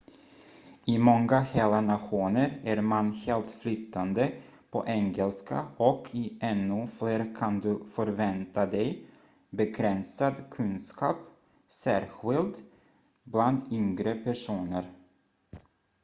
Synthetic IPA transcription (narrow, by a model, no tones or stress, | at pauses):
ɪmɔŋɡaheːlanaɧuːnəɾæɾmanheːlt̪flʏt̪ʰːand̪ə | pʰɔ̰ʔɛŋɛlska̰ɔkʰɪʔɛnːɵfleːɾkʰand̪ɵfœɾvɛnt̪ad̪ɛj | bɛkʰɾɛnsad̪kʰɵnskʰɑːp | sæːɾɧɪld̪ | bland̪ʏŋɡɾəpʰæʂuːnəɾ